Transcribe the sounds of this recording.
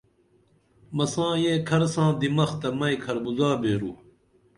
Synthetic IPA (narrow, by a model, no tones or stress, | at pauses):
mɐsãːjeːkʰɐɾsãːd̪imɐxt̪ɐmɐikʰɐɾbuzaːbeːɾṵː